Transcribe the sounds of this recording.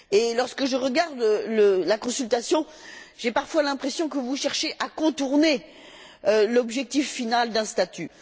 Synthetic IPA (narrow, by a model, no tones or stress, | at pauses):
elɔʁskəʒəʁəɡaʁd̪ləlakɔ̃sylt̪asjɔ̃ | ʒ̥epaʁfwalɛ̃pχesjɔ̃kəvuʃɛʁʃeʔakɔ̃t̪uʁne | ølɔbʒɛk̚t̪ifːinald̪ɛ̃st̪at̪y